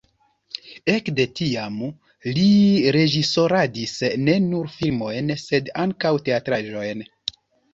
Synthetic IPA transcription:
e̞kde̞tiam | liɾe̞d͡ʒiso̞ɾadisne̞nuɾfilmo̞jnse̞daŋkawte̞atɾaʒo̞jn

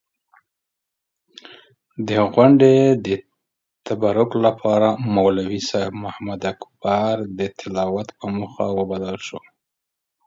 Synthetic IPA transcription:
d̪əɣwaɳɖed̪ə | t̪abaɾʊklapʰɑɾamawlawisajfmʊhamad̪akbaɾd̪ət̪ʰɪlɑwat̪pəməxa̰wəbalalʃo

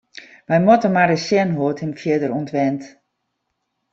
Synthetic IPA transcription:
ʋɛjmotənmardəsjɛnɦoəthɪmfjɪdəruntʋɛnt

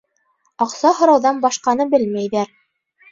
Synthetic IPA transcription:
ɑqsɑhŏɾɑwðɑnbɑʃqɑnɤbɘlmæjðæɾ

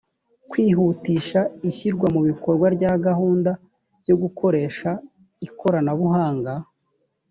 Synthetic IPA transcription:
kwiːɦutiːʃaiçiɾɡwamuβiko̞ɾɡwaɾɟaːɡahuːndḁ | jo̞ɡukʰo̞ɾe̞ːʃa | ikʰo̞ɾanaβuɦaːŋɡa

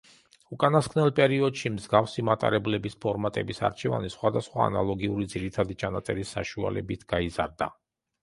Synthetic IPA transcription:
ukʼanaskʰvnɛlˠpʼɛɾiɔd̪ʃimzɡafsimat̪ʼa̰ɾɛblɛbispʰɔɾmat̪ʼɛbisa̰ɾt͡ʃʰɛva̰nisχwad̪asχwa̰ːnalˠɔɡiuɾid̪ziɾit̪ʰad̪it͡ʃʰanat̪sʼɛɾisːaʃua̰lɛbit̪ʰɡ̥aizaɾd̪a̰

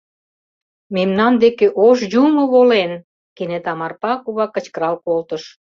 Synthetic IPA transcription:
memnɑnd̪ekeʔoʃjumoβolen | kenet̪ɑmɑrpɑkuβɑkːə̆t͡ɕkəɾɑlkolt̪ə̆ʃ

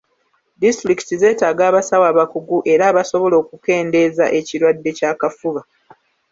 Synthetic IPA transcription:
distɾiki̥tize̞ːtaːɡaːβasawaːβakuɡuʔe̞ɾaːβaso̞βo̞lo̞ːkuke̞ːnde̞za̰ʔe̞ciɾwadːe̞caːkafuβa

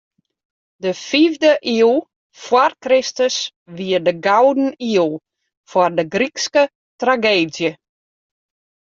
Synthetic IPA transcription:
dəfivdəʔilˠ | fwɔrkrɪstəs | ʋiərdəɡawdn̩iəlˠ | fwɔrdəɡrikskə | traɡeːdjə

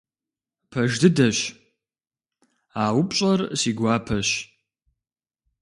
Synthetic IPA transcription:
pʰɐʒdɨdɐɕ | aːwʊpʼɕʼɐrsiːɡʷaːpʰɐɕ

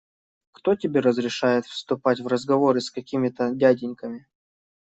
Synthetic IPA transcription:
kt̪o̞tʲɪbʲe̞ɾəzɾʲɪʂajɪt̪fst̪ʊpatʲvrəzɡɐvo̞ɾɨskɐkʲimʲɪt̪ədʲædʲɪnʲkəmʲɪ

